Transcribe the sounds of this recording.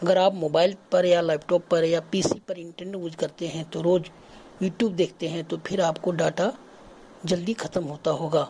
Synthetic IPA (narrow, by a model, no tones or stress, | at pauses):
ɐɡəɾaːpmoːbaːɪlpɐɾjalaːpʈɔːpːɐɾjapiːsipɐɾɪ̃ɳʈəneʈuːd͡ʒkɐɾt̪eɦɛ̃t̪oɾoːd͡ʒ | juːʈjuːbd̪eːkʰt̪eɦɛ̃t̪opʰɪɾaːpkoɖaːʈa | d͡ʒɐld̪ixʰɐt̪əmɦoːt̪aɦoːɡaː